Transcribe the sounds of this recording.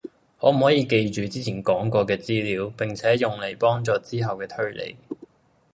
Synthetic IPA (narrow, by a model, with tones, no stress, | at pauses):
hɔː˨˥m̩˨˩hɔː˨˥jiː˨˧ke˧jt͡ʃyː˨t͡siː˥t͡sʰiː˨˩nkɔː˨˥ŋkɔː˧kɛː˧t͡siː˥liː˨˥wpɪ˨ŋt͡sʰɛː˨˥jʊ˨ŋle˨˩jpɔː˥ŋt͡sɔː˧t͡siː˥ɦɐ˨wkɛː˧t̪ʰɵ˥ɥlḛ˨˧˩j